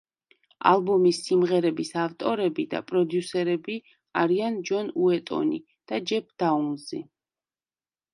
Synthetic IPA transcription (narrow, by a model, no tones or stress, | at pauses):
a̰lˠbɔmisːimʁɛɾɛbisaft̪ʼɔɾɛbid̪a̰pʼɾɔd̪jusɛɾɛbi | aɾiand͡ʒɔnuɛt̪ʼɔ̰nḭ | d̪̥ad͡ʒɛp̚ʰd̪̥aunzḭ